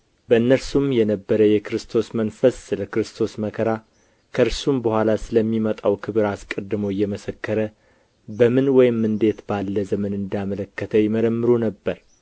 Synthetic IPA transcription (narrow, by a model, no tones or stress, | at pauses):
bəɨnːəɾsumjɛnəbːəɾəjɛkɾɨst̪ʰo̞smənfəsːɨləkɾɨst̪ʰo̞sməkʰəɾa | kʰəɨɾsumbəhʷalasɨləmːimət̪ʼawkʰɨβɨɾaskʼəd̪ːɨmoɪjːɛməsəkːəɾə | bəmɨnwɔjɪmːɨnd̪e̞t̪balːəzəmənɨnd̪jamələkːət̪ʰəjɪməɾəmːɨɾunəbːəɾ